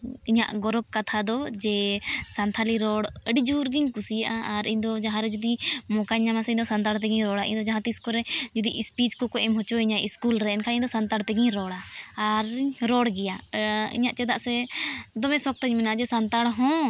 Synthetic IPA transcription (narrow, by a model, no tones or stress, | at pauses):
iɲa̰ʔɡɔɾɔk̚kat̪ʰad̪ɔd͡ʒɛsant̪ʰaliɾɔɽəɖid͡ʒuɾɡiɲkusijaʔaːɾiɲd̪ɔd͡ʒaɦãɾɛd͡ʒud̪imɔkaɲːamasɛind̪ɔsant̪aɽt̪̬ɛɡiɲɾɔɽaʔḭ̃ɲd̪ɔd͡ʒaɦãt̪iskɔɾɛd͡ʒud̪iʔispiskɔkɔʔɛmɦɔt͡ʃɔiɲaiskulɾɛɛnkʰaiɲd̪ɔsant̪aɽt̪ɛɡiɲɾɔɽaːɾɾɔɽɡɛjaḭɲaʔt͡ʃɛd̪aʔsɛd̪ɔmɛsɔk̚t̪aɲmɛnad͡ʒɛsant̪aɽɦɔ̃